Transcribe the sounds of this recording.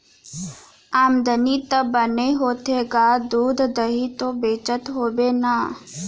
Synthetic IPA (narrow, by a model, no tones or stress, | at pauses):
aːmd̪ənit̪əbəneɦoːt̪ʰeːɡaːd̪uːd̪d̪əɦit̪obeːt͡ʃət̪ɦoːbeːnaː